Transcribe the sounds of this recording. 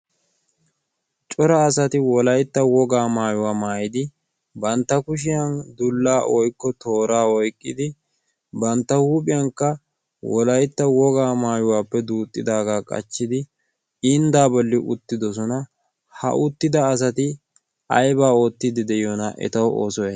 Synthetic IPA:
t͡ʃʼɔɾɐːsɐt̪ɪwɔlɐjt̪ːɐwɔɡaːmaːjʊwaːmaːjɪd̪ɪ | bɐnt̪ːɐkʊʃ̬ɪjɐnd̪ʊlːaːʔɔjkːɔt̪o̞ːɾaːɔjkʼːɪd̪ɪ | bɐnt̪ːɐhuːpʼɪjɐŋkːɐ | wɔlɐjt̪ːɐwɔɡaːmaːjʊwaːpːɛd̪uːt̪ʼːɪd̪aːɡaːkʼɐ̰t͡ʃːɪd̪ɪ | ɪnd̪aːbɔlːɪʔʊ̰t̪ːɪd̪ɔs̬ɔnɐ | hɐ̰ʔʊt̪ːɪd̪ɐːs̬ɐt̪ɪ | ɐ̰jbaːo̞ːt̪ːɪd̪ɪd̪ɛjɔnɐʔɛ̰t̪ɐwo̰ːsɔjɛ

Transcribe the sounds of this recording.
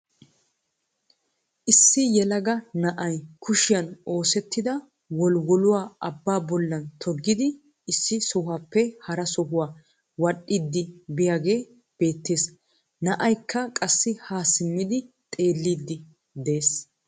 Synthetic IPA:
ʔɪsːɪjɛlɐɡɐnɐʔɐjkʊʃɪjɐno̞ːsɛt̪ːɪd̪ɐ | wɔlwɔlʊwaːʔɐbːaːbɔlːɐnt̪ʰɔɡːɪd̪ɪ | ɪsːɪsɔhaːpːɛhɐɾɐsɔɦʊwaː | wɐɗːɪd̪ːɪbɪjaːɡe̞ː | b̥e̞ːt̪ːeːs | nɐʔɐjkʰːɐkʼɐsːɪhaːsɪmːɪd̪ɪ | t̪ʼe̞ːlːiːd̪ːɪ | d̪eːs

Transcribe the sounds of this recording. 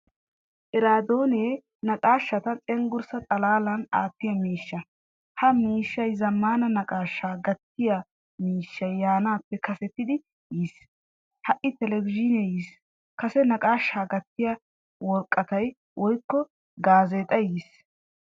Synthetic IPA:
ʔɪɾaːd̪oːneː | nɐkʼaːʃːɐt̪ɐt͡sʼɛŋɡʊɾsɐt͡s̪ʼɐlaːlɐnaːt̪ːɪjɐmiːʃːɐ | hɐmiːʃːɐjzɐmːaːnɐnɐkʼaːʃːaːɡɐt̪ːɪjɐ | miːʃːɐjːaːnaːpːɛkɐsɛt̪ːɪd̪ɪ | jiːs | hɐʔːɪt̪ɛlɛvɪd͡ʒɪnejis | kɐsɛnɐkʼaːʃːaːɡɐt̪ːɪjɐ | wɔlkʼːɐt̪ɐj | wɔjkːɔ | ɡaːzeːt̪ʼɐjiːs

